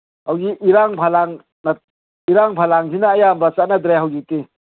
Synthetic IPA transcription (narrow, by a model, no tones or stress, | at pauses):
hawɡiʔiɾaŋpʰalaŋ | na | iɾaŋpʰalaŋsʰinaːjambɐsat̚nad̪ɾeɦawɡiti